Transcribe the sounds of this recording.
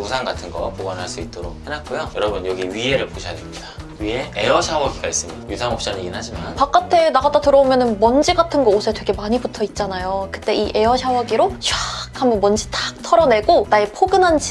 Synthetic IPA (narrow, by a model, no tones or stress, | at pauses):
usʰaŋɡatʰɯnɡʌpoɡʌnɦaɭs͈uit͈̚oɾok̚henat̚k͈ojojʌɾʌbɯnjʌɡiɥie̞ɾɯɭpoɕʰiadimɲida | ɥie̞e̞ʌɕʰawʌɡiɡais͈ɯmɲidajusʰaŋʌp̚ɕ͈aniɡinɦad͡ʑimanpak͈atʰe̞naɡatatɯɾʌomjʌnɯnmʌnd͡ʑiɡatʰɯnɡʌosʰe̞twe̞ɡe̞maɲibutʰʌit̚t͡ɕ͈anajokɯ̥t͈e̞ʔiʔe̞ʌɕʰawʌɡiɾot͡ɕwakambʌnmwʌnd͡ʑitak̚tʰʌɾʌne̞ɡonaepʰoɡɯnɦand͡ʑʰi